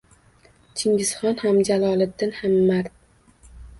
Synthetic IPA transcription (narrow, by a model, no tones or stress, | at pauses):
t͡ʃʰɪŋɡʲɪz̥χɒnhamd͡ʒalˠɒlˠɪd̪ːɪnhamːaɾd̪̚